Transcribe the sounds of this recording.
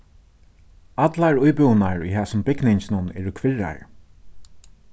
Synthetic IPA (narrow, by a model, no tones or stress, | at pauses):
at̪laɹʊjpʏwnaɹṵjɦæːsʊmbɪɡnɪɲsnʊnɛ̰ːɹʊkʰvɪɻa̰ɹ